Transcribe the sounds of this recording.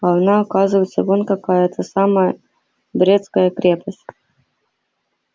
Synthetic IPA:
anaɐkazɨvəjɪt̪səvonkɐkajət̪ʰəsaməjə | bɾʲet̪skəjəkɾʲepəsʲtʲ

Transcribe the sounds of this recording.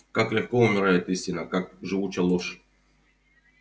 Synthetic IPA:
kaklʲɪxkoʊmʲɪɾajɪt̪isʲtʲɪnəkak̚ʐɨvut͡ɕɛlˠoʂ

